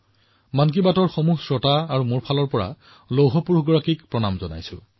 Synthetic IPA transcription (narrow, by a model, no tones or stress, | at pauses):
mank̬ibatɔɹxɔmuɦsɹɔtaːɹumuɹpʰalɔɹpɔɹa̰ | lowɦɔpuɹɡɔɹakikpɹɔnamzɔna̰jsʊ̰̃